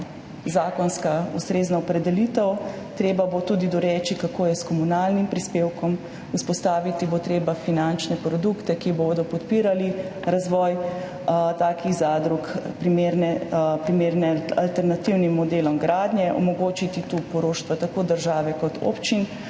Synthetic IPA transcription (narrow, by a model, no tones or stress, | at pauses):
zaːkɔnskaust̪ɾeːznaɔpɾɛd̪ɛlit̪ɛw | t̪ɾeːbabot̪uːd̪id̪ɔɾɛːt͡ʃikakoːjɛskɔmunaːlnimpɾispeːwkɔm | uspɔst̪aːʋit̪ibot̪ɾeːbafinant͡ʃnɛpɾɔd̪ukt̪ɛkiboːd̪ɔpɔt̪piːɾaliɾazʋɔj | t̪aːkiɣzaːd̪ɾukpɾimeɾnɛpɾimeɾnɛalt̪ɛɾnat̪iwnimːɔd̪eːlɔmɡɾaːd̪njɛʔɔ̰mɔɡoːt͡ʃit̪it̪upɔɾoːʃt̪ʋat̪akoːd̪əɾʒaːʋɛkɔt̪ʰo̰ːpt͡ʃin